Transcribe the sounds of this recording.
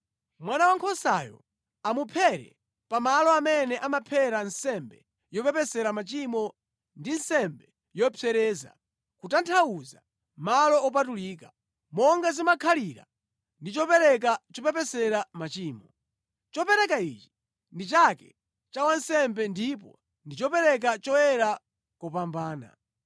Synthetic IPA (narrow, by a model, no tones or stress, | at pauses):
mwanawaŋkʰɔsa̰jɔ̰ | amupʰɛɾɛ̰ | pamalɔamɛnɛʔamapʰɛɾansɛmbɛ | jɔpɛpɛsɛɾamat͡ʃimɔ | ndinsɛmbɛ | jɔpʰɛɾɛːza̰ | kutantʰauza̰ | malɔɔp̬atuliːkḁ | mɔŋɡazimakʰaliɾa̰ | ndit͡ʃɔpɛɾɛk̬at͡ʃɔpɛpɛsɛɾamat͡ʃiːmɔ | t͡ʃɔpɛɾɛkait͡ʃi̥ | ndit͡ʃakɛ | t͡ʃawansɛmbɛndip̬ɔ̰ | ndit͡ʃɔpɛɾɛk̬at͡ʃɔjɛɾa | kɔpambaːna̰